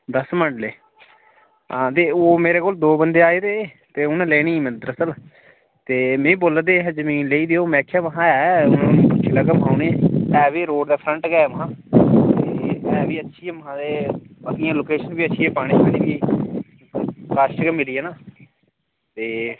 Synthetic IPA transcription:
d̪əsməɳɖleː | ãːt̪eːoːmeːɾeːkoːld̪oːbənd̪eːaːeːd̪eː | t̪eːʊnãːlɛːñiːməd̪ɾəsəl | t̪eːmẽːĩːboːlːəd̪eːɦɛzəmiːnleːiːd̪eoːmɛːkʰːjaːʋəɦãːɛːʊnãt͡ʃʰɪlaːkəmɦaːuneɛːʋiːɾoːʈd̪aːpʰɾəɳʈɡɛːʋəɦãːt̪eɛːʋiːətːʃʰiːɛːməɦãːd̪eːət̪ijãːloːkeːʃənbiːətːʃʰiːɛːpaːɽ̃iːt͡ʃʰənĩːɡiː | kaːʃʈkəmːɪliːɛːnãː | t̪eː

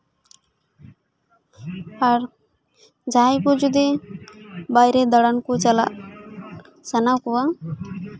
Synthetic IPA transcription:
aɾ | d͡ʒajkud͡ʒud̪i | bajɾed̪əɽankut͡ʃəla̰ | sənakuwa

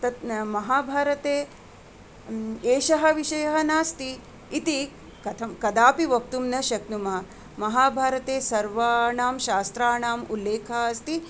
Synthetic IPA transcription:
t̪ɐt̪mɐɦaːbʱaːɾɐt̪eː | eːʃɐɦɐʋiʃɐjɐɦɐnaːst̪iː | t̪i | kɐt̪ʰɐmkɐd̪aːpiʋɐk̚t̪umnɐʃɐknumɐɐ | mɐɦaːbʱaːɾɐt̪eːsɐɾʋaːɳaːmʃaːst̪ɾaːɳaːmulːeːkʰɐɐst̪i

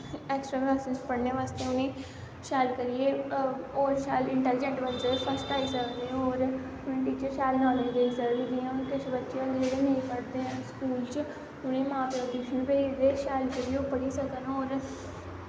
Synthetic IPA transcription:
ɛːksʈɾaːbaːsɪspəɽneːʋaːst̪eːʊnẽː | ʃaːlkəɾijeːoːɾʃaːlɪɳʈɛːlɪd͡ʒẽɳʈʋənt͡ʃepʰəsʈaːisəkd̪ẽoːɾ | ʊnẽːʈiːt͡ʃəɾʃaːlnãːleːd̪eiːsəkːɡ̪ijãonkɪt͡ʃbətːʃijãːɡd͡ʒeːɽenəĩpəɽd̪eãːskuːlt͡ʃ | ʊnẽːmãːpɾoːd̪iːʃʰənpeːid̪eːʃaːlkəɾioːpəɽiːsəkənːoːɾ

